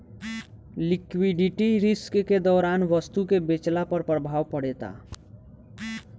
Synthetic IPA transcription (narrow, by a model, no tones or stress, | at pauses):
likwiɖiʈiɾiskked̪ɔɾanʋəst̪ukebet͡ʃlapəɾpɾəbʱawpəɽet̪a̰